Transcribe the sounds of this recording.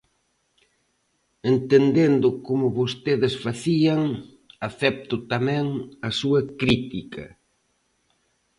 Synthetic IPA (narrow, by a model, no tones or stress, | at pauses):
ent̪end̪end̪ʊkomʊβost̪eðɪsfaθiɐŋ | aθɛp̚t̪ʊt̪amɛ̃ŋɐsuɐkɾit̪ikɐ